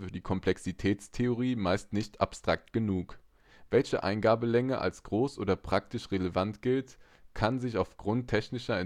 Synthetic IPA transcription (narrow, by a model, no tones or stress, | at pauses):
fyːɐdiːkʰɔmplɛksitʰɛːt͡stʰeoʁ̞iːmaɪstnɪçtʰa̰pstʁ̥ak̚tɡ̥ənuːk | v̥ɛlçəʔa̰ɪnɡaːbəlɛŋəʔa̰lsɡ̥ʁoːsʔoːdɐpʁ̥ak̚tɪʃʁeləvantɡ̥ɪlt | kʰanzɪçaʊfɡ̥ʁʊntʰːɛçnɪʃɐɛ